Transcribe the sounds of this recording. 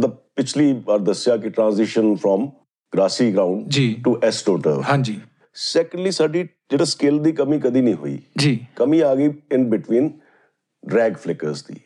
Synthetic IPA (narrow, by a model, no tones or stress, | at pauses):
t̪əbpɪt͡ʃʰliːbaːɾd̪əsjaːkɪʈɾãːnzɪʃənfʰɾɔːm | ɡɾaːsiːɡɾaːʊ̃ɳɖd͡ʒiʈuːʔɛsʈoːʈə̰ɾɦãd͡ʒiː | sɛːkə̃ɳɖliːsaːɖiː | d͡ʒeːɽaːskɪld̪iːkəmĩːkəd̪iːnĩːɦo̰ḭːd͡ʒiːkəmĩːaːɡəiːɪnbɪʈʋiːn | ɖɾɛːɡfʰlɪkəɾzd̪ḭː